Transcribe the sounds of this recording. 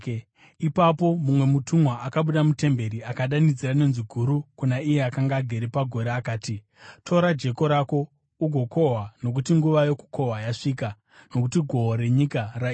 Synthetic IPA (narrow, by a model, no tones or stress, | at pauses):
ipapo̞mumwe̞mutʰumwaakaɓuɗamute̞mbe̞ɾiakaɗanid͡zirane̞nziɡʱuɾukunaijeakaŋɡaːɡʱe̞ɾepaɡʱo̞ɾeːkaːti | tʰo̞ɾad͡ʒe̞ko̞ɾako̞ | uɡʱo̞kʰo̞ɦwano̞k̬utiŋɡuʋajo̞ku̥kʰo̞ɦwajaʂiːka | no̞kutiɡʱo̞ɦoɾe̞ɲikara